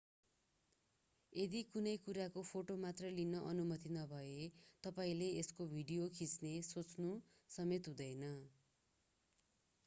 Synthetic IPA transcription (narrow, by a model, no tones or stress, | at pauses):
ed̪ikunʌjkuɾakopʰoʈomat̪rʌlinʌʔʌnumʌt̪inʌbʱʌet̪ʌpaĩleeskobʱiɖijokʰit͡snesot͡snu | sʌmet̪ɦũd̪ʌjnʌ